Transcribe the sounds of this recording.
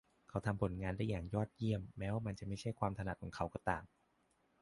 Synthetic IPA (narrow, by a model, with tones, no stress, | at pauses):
kʰa˦˥wt̪ʰa˧mpʰo˨˩˦nŋaː˧ndaː˥˩jːaː˨˩ŋjɔː˥˩t̪̚ji˥˩əmːɛː˦˥waː˧ma˧nt͡ɕa˨˩ma˥˩jt͡ɕʰa˥˩jkʰwaː˧mt̪ʰa˧na˨˩t̪̚kɔː˨˩˦ŋkʰa˦˥wkɔ˧t̪aː˨˩ŋ